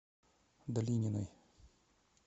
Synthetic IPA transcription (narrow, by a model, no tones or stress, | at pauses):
d̪ɐlʲinʲinɔj